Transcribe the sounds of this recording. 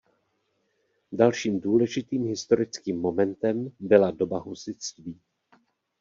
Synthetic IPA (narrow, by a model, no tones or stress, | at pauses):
dalʃiːmduːlɛʒɪt̪iːmɦɪst̪o̞ɾɪt͡skiːmːo̞mɛnt̪ɛmbɪlado̞baɦusɪt͡st̪viː